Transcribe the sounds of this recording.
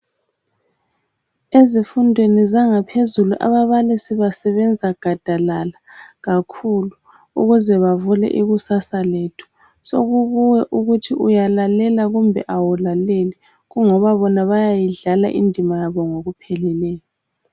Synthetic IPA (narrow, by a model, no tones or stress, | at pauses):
ezifundʱwenizaŋapʰezuluʔa̰βaβalisiβasɛβɛnd͡zʱaɡ̥ʱad̥ʱalalaɣakʰulu | uɣuzɛβavulɛ̰ʔiɣusasaleːtʰu̥ | so̰ɣuβuwɛʔuɣutʰiʔujalalɛlaɣumbʱɛ̰ʔawulaleli | ɣuŋɔβaβɔnaβajajiɮala̰ʔḭndʱimajaβɔŋoɣupʰɛlilɛːjɔ